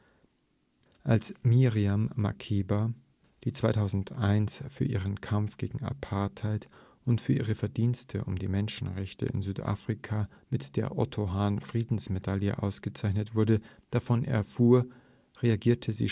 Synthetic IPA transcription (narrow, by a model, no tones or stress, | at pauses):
ʔalsmiʁiamːa̰kʰeːba | d̥iːt͡sv̥aɪtʰaʊzn̩tʔaɪnsfyːɐʔiːʁənkʰamfɡ̥ḛːɡŋ̩a̰pʰaɐthaɪt | ʊntfyːɐʔiːʁəfɛɐdiːnstʰə̰ʔʊ̰mdiːmɛnʃn̩ʁɛçtə̰ɪ̰nzyːtʔa̰ːfʁ̥ikʰamɪtd̥eːɐʔɔtʰoɦaːnfʁ̥iːdn̩smedaljə̰ʔa̰ʊsɡ̥ət͡saɪçnətv̥ʊɐdə | d̥afɔnʔɛ̰ɐfuːɐ | ʁeaɡiːɐtʰəzḭː